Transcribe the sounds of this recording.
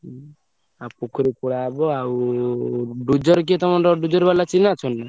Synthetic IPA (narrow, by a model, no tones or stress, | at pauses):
apukʰɔɾikpuɽabɔaw | ɖud͡ʒɔɾk̬it̪ɔmɔnɾɔɖud͡ʒɔɾbalat͡ʃinat͡ʃʰɔnːa